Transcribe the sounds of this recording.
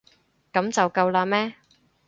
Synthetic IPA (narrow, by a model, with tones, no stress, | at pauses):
kɐ˨˥mt͡sɐ˨wkɐ˧wlaː˧mɛː˥